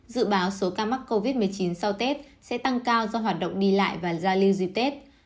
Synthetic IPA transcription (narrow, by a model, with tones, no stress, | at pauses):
zɨ̰˧˨ɓaː˨˦wso˨˦kaː˧ma˦˥k̚kːo˧vi˦˥t̚mɨ˨˩əjt͡ɕi˨˦nsa˧wt̪e˦˥t̚ | sɛ̰˧˥t̪a˧ŋkaː˧wzɔ˧ɦwaː˨˩t̚ɗə̰˧˨ŋ͡mɗi˧la̰ː˧˨jvaː˨˩zaː˧li˧wzwi˧t̪e˦˥t̚